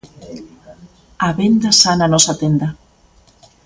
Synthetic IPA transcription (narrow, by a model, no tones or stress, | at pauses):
aβend̪asananɔsat̪end̪a